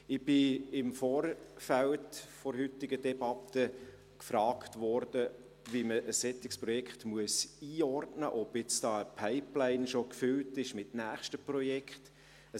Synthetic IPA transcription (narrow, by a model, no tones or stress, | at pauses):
ɪb̥ɪɪmfɔːɾfæltfɔɾɦʏtːɪɡədɛbɑtə | kfɾɑːktʋɔɾd̥ə | viməʔəsːɛtɪkspɾɔjɛkχtmuəsiːɔrtnəʔɔbjɪt͡sd̥ɑːəpʰaɪplaɪnʃokfʏltɪʃmɪt̚næːχʃtəprɔjɛkt | ə